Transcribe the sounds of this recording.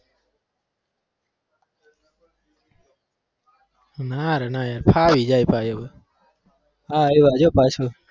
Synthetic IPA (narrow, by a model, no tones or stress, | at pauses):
naɾənaːjaɾpʰaːʋid͡ʒaːjpʰajəbə | aiʋad͡ʒopat͡ʃʰo